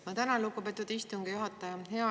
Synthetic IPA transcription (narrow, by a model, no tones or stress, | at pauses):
mɑt̪ænɑlukːupet̪ːˑud̪ist̪uŋɡ̥ijuɦɑt̪ːˑɑjɑhe̞ɑ